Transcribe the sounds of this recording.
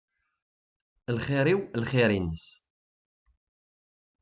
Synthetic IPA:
lχiɾiwlχiɾinis

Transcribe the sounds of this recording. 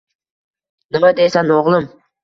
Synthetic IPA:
nɨmad̪esanoʁlˠɨm

